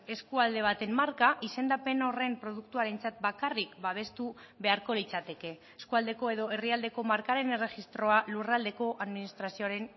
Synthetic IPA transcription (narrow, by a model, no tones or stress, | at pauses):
e̞skuald̪e̞βat̪e̞mːaɾkaʔise̞nd̪ape̞no̞re̞mpɾo̞ð̞ukt̪uaɾe̞nt͡sat̪̚bakarikbaβ̞e̞st̪uβe̞aɾko̞lit͡sat̪e̞ke̞ːskuald̪e̞ko̞e̞ðo̞e̞riald̪e̞ko̞maɾkaɾe̞ne̞re̞xist̪ɾo̞alurald̪e̞ko̞ʔaðminist̪ɾasio̞aɾen